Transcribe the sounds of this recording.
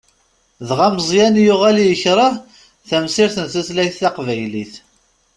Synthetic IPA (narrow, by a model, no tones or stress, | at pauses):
ðʁaməzˤjænjuʁælijəçɾˤɑ | θæmsɪɾθənθæslæjθːɑqvæjliθ